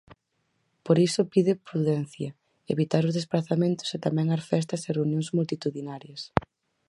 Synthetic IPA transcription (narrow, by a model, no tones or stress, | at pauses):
poɾisʊpiðɪpɾuðɛn̟θjɐ | eβit̪aɾʊzð̞esplaθamẽnt̪ʊ̥set̪amɛ̃ŋaɾfɛs̬t̪ɐsereunjõŋzmult̪it̪uðinaɾjɐs